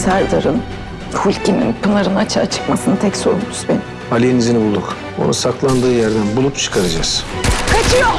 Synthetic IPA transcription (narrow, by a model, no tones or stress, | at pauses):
sæɾd̪aɾɯn | hulʲcʰinḭnpunaɾɯnat͡ʃʰa̰ːt͡ʃʰɯ̥kmasɯnɯt̪ʰɛcso̞ɾunt̪ʰy̥sbeni | alʲienizinibulˠd̪uk | o̞̰nusaklˠand̪ɯːjæɾd̪ænbulˠup̚t͡ʃʰɯ̥kʰaɾad͡ʒaz̥kʰat͡ʃʰɯj